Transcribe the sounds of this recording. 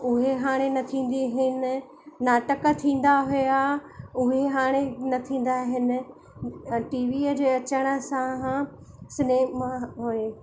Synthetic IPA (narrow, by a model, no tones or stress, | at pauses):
ʊɦeɦaːɽ̃enɐt̪ʰĩːn̆d̪iɦɪnɪ̆ | naːʈəkə̆t̪ʰĩːn̆d̪aɦujjaʊɦeɦaːɽ̃enɐt̪ʰĩːn̆d̪aɦɪnɪ̆ | ʈiːʋiəd͡ʑeːɐt͡ɕəɽ̃ə̆sãɦ | sɪneːmãɦueː